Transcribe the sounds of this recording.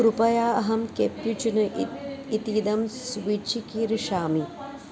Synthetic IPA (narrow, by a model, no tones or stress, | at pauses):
ɾupɐjaːɐɦɐmkepjut͡ʃunɐit̪iːd̪ɐmsʋit͡ʃʰikiːɾiʃaːmi